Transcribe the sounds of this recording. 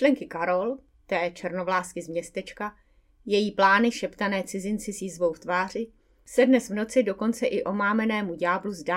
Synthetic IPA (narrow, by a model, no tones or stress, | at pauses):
lɛŋkɪkaɾo̞l | t̪ɛːt͡ʃɛɾno̞vlaːskɪzmɲɛst̪ɛt͡ʃka | jɛjiːplaːnɪʃɛpt̪anɛːt͡sɪzɪnt͡sɪsiːzvo̞wft̪vaːr̝ɪ | sɛdnɛsvno̞t͡sɪdo̞ko̞nt͡sɛʔɪʔo̞maːmɛnɛːmuɟaːbluzdaː